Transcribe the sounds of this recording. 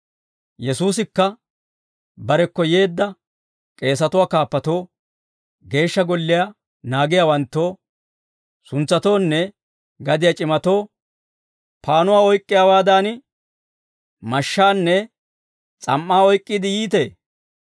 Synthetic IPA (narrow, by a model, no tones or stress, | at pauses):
jɛsuːsɪkːɐ | bɐɾɛkːɔje̞ːd̪ːɐ | kʼe̞ːs̬ɐt̪ʊwaːkaːpːɐt̪o̞ː | ɡe̞ːʃːɐɡɔlːɪja | naːɡɪjawɐnt̪ːo̞ː | sʊnt͡sːɐt̪o̞ːnːɛ | ɡɐd̪ɪjɐt͡ʃʼɪmɐt̪o̞ː | paːnʊwaːɔjkʼːɪjaːwaːd̪aːn | mɐʃːaːnːɛ | t͡sʼɐ̰mːaːɔjkʼːɪd̪ɪjiːt̪e̞ː